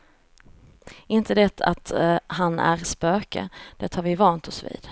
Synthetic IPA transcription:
ɪnt̪əd̪ɛt̪ʰa̰t̪ɦanæ̰ɾspøːkə̰d̪̥ɛt̪haɾvɪvɑːnt̪ʰɔsvḭːd̪̥

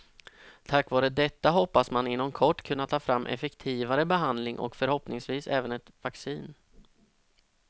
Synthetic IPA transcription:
t̪ʰakːvɑːɾəd̪ɛt̪ːaɦɔpːasmanɪnːɔmkʰɔʈːkʰɵnːat̪ʰːɑːfɾamːʔɛ̰fɛkt̪ʰiːvaɾəbɛɦand̪lɪŋʔɔ̰kfœɾhɔpnɪŋsviːsɛ̰ːvənɛt̪vaksiːn

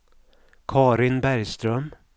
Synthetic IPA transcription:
kʰɑːɾɪnbæɾjst̪ɾœm

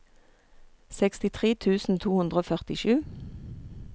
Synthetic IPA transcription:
sɛkst̪ɪt̪ʰʁeːt̪ʰʉːsn̩t̪ʰuːhʉnd̪ʁoːfœʁt̪ɪʃʉː

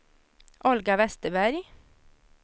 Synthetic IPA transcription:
ʔɔlɡɑʋɛst̪əbæɾɡ

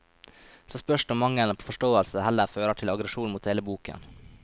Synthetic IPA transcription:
soːspœʂʈɔmɑŋːəlnəpʰoːfɔʂʈoːəlsəhɛlːəɾføːɾəʈʰɪlɑɡɾəʂuːnmuːt̪heːləbuːkə̰n

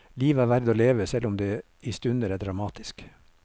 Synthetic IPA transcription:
liːʋæːɾʋæɾd̪oːleːʋəsɛlʊmd̪eː | ɪst̪ʉnd̪əɾæːɖɾɑmɑːt̪ʰɪ̥sk

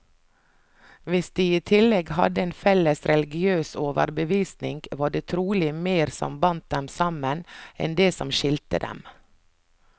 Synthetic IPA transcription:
ʋɪsd̪iːiːt̪ʰɪlɛɡhɑ̰d̪əeːnfɛləsɾɛlɪɡɪøːsoːʋə̰ɾbəʋiːsnɪŋɡʋɑːɖeːt̪ʰɾuːlɪmeːɾsɔ̰mbɑnt̪̚d̪ɛmsɑmənɛ̰nd̪eːsɔ̰mʃɪlt̪ə̰d̪ɛ̰m

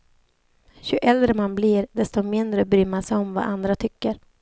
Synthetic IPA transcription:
ɕɵʔɛld̪ɾəmanbliɾd̪ɛst̪ɔmɪnd̪ɾəbɾʏːmːasɛɔmva̰ːʔand̪ɾat̪ʰʏkːəɾ

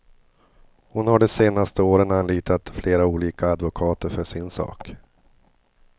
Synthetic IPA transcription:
hʊnhaɖɛseːnast̪əoːɾənanliːt̪at̪fleːɾauːliːkaːd̪vʊkʰɑːt̪əɾfœʂɪnsɑ̰ːk

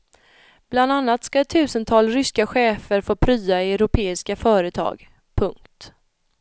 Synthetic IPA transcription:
b̥land̪anːat̪skat̪ʰʉ̟ːsənt̪ʰɑːlsɾʏskaɧɛːfəɾfoːpʰɾyːaɛɾʊpʰeːɪskafœːɾət̪ʰɑ̰ːɡ | pʰɵŋkt̪

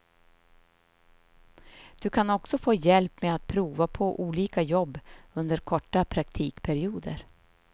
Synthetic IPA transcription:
d̪̥ɵkʰanɔksɔfoːjɛlpmeat̪̚pʰɾuːvapʰɔʔuːliːkajɔbːɵnd̪əɾkʰɔʈːapʰɾak̚t̪ʰiːkpʰæɾɪuːd̪ə̰ɾ

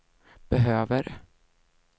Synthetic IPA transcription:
b̥ɛɦøːvəɾ

